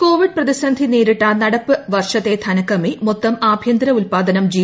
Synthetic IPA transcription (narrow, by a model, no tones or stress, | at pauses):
ko̞ːʋiɖ̚prɐðiɕɐnd̪ʱineːɾiʈːaːnnɐɽɐpːɨʋɐrʂɐt̪ːet̪ʰɐnɐkːɐmimot̪ːɐmaːbʱjɐnd̪ɾɐulpaːd̪ɐnɐmd͡ʑiː